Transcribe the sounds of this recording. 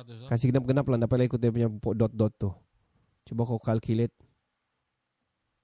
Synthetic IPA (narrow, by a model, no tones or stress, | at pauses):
kas̬iɡənap̚ɡənaplandapalaikut̪ep̬uɲapɔdɔt̪̚dɔt̪ːʊh | t͡ʃubakokalkilɪt̪̚